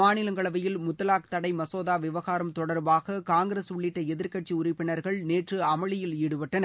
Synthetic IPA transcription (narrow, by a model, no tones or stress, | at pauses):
aːnɪlɐŋɡɐɭɐʋɐjɪlmʊt̪ːɐlaːk̚t̪ɐɽɐɪmɐsoːðaːʋɪʋɐɣaːɾɐmt̪ɔɽɐɾbaːɣɐkaːŋɡɪɾeːsʊɭːɪʈːɐɛðɪɾkɐʈ̚t͡ʃiʊɾɪpːɪnɐɾɣɐɭneːʈrɯɐmɐɭɪjɪliːɽɯʋɐʈːɐnɐ